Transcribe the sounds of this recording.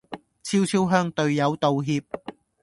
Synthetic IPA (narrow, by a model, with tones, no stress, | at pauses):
t͡sʰiː˥wt͡sʰiː˥wɦœː˥ŋt̪ɵ˧ɥjɐ˨˧wt̪o˨˧wɦiː˧p̚